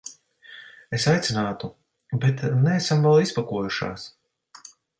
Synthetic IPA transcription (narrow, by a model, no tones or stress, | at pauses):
esajt̪sinaːt̪u | bɛt̪nɛːsamvɛlˠispakuɔjuʃa̰ːs